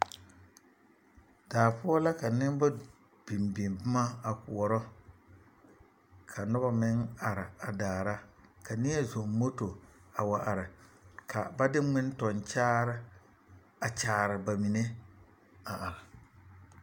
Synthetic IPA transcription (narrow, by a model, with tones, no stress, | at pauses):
d̥aː˨pʊ˦ɔ˦la˦ka˨nɪ˦m˦ba˦ | b̥i˨mbɪ˨mbɪ˦ma˦a˨ku˨ɔ˨ɾɔ˦ | kʰa˨nʊ˦ba˦mɪ˦ŋa˨ɾɪ˨a˨daː˨ɾa˦ka˨nɪ˦ɛ˦zɔ˨ŋmo˦to˨a˨wa˨ʔa˨ɾɪ˨ka̰˨ba˦dɪ˦ŋ͡mɪ˦n˦tɔ˨nt͡ʃaː˦ɾɪ˦ | a˨t͡ʃaː˨ɾɪ˨ba˨mi˨ne˦ | a˨ʔa˨ɾɪ˨